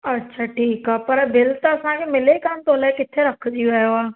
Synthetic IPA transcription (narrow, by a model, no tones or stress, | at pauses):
ətːʃʰaːʈʰiːkaːpəɾbɪlt̪aəsãːkʰemɪlekant̪oːlekɪt̪ʰːeɾəkʰd͡ʒiaoaː